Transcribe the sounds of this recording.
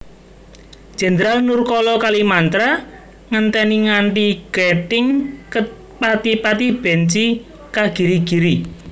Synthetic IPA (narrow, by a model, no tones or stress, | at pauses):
ʒ̥e̤ndɾalnurkɔlɔkalimant̪ɾa | ŋənt̪ɛniŋaɳʈiɡ̥ɛʈɪŋkə | pat̪ipat̪ib̥ɛ̤nt͡ʃi | kaɡ̥i̤ɾiɡ̥i̤ɾi